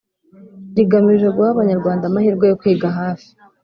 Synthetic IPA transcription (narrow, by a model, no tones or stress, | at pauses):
ɟiɡamiʒe̞ɡuhaβaɲaɾɡwaːndamahiːɾɡo̞jo̞kwiːɡaɦaːfi̥